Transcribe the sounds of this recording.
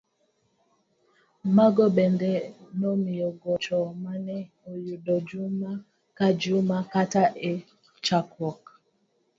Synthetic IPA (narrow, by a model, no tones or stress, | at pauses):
maɡɔbɛndɛnɔmijɔɡɔt͡ʃɔmanɛ | ojudɔd͡ʒuma | kad͡ʒumakataʔe | t͡ʃakwɔk